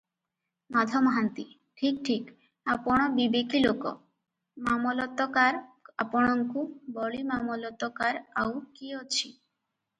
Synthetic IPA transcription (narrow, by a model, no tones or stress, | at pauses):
mad̪ʱɔmɔɦant̪i | ʈʰik̚ʈʰik | apɔɽ̃ɔbibekilokɔ̰ | mamɔlɔt̪ɔkaɾapɔɽ̃ɔŋkubɔɭimamɔlɔt̪ɔkaɾawkiot͡ɕʰi